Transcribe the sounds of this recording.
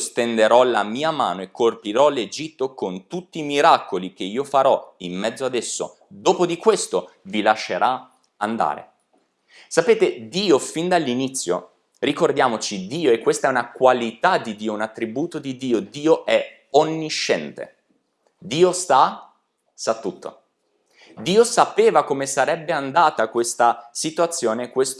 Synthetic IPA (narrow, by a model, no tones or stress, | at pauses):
st̪end̪eɾɔlamiːama̰ːnoekːorpiɾɔled͡ʒit̪ːokont̪ut̪ːiːmiɾakolik̟eiːofaɾɔimːɛd̪zːoad̪esːo̰ | d̪oːpod̪ikwest̪o | vilaʃːeɾʔa | and̪a̰ːɾḛ | sapeːt̪ed̪iːofind̪alːinit̪sːjo̰ | rikord̪jaːmot͡ʃid̪iːoekːwest̪aɛunakwalit̪ad̪id̪iːounat̪ːɾibuːt̪od̪id̪iːod̪iːoʔɛ | onːiʃːɛnt̪ḛ | d̪iːost̪a | sat̪ːut̪ʰːo̰ | d̪iːosapeːvakomesaɾɛbːeand̪aːt̪akwest̪asit̪wat̪sːjoːnekːwest̪